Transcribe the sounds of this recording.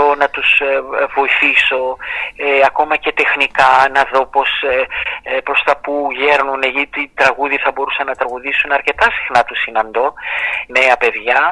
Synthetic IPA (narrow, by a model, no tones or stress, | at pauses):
onɐt̪uzvo̞iθiso̞ | ɐko̞mɐce̞t̪e̞xnikɐnɐðo̞po̞s | pɾo̞st̪ɐpuʝe̞ɾnuneʝit̪it̪ɾɐɣuðiθɐbo̞ɾusɐnɐt̪ɾɐɣuðisunɐɾce̞t̪ɐsi̥xnɐt̪usinɐnd̪o̞ne̞ɐpe̞ðʝɐ